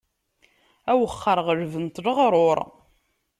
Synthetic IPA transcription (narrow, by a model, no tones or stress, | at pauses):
æwəχːəɾʁəɾvənt̪ləʁɾˤʊɾˤ